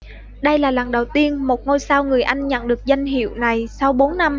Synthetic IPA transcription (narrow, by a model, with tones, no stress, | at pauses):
ɗə˧jlaː˨˩laː˨˩nɗə˨˩wt̪i˧ənmo˨˩t̚ŋo˧jsaː˧wŋɨ˨˩əjʔa˧jŋ̟ɲə̰˧˨nɗɨ˨˩ək̚za˧jŋ̟ɦḭ˧˨əwna˨˩jsa˧wɓo˨˦nːa˧m